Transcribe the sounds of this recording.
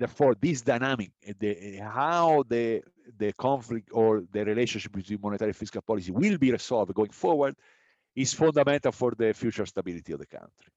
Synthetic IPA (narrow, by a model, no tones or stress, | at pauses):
d̪ɛɾfɔɾd̪isd̪ajnamikd̪ehawd̪ə | d̪əkʰɔ̃ɱflik̚t̪ɔɾd̪əɾileʃɔ̃nʃip̚bit̪wĩnmɔnet̪aɾjɛ̃fiskalpɔlis̬iwilbiɾesɔlvɡoĩŋfɔɾwaɾd̪ | isfɔ̃nd̪amɛ̃nt̪alfɔɾd̪əfjut͡ʃəɾst̪abilit̪iɔvd̪əkʰã̰nt̪ɾi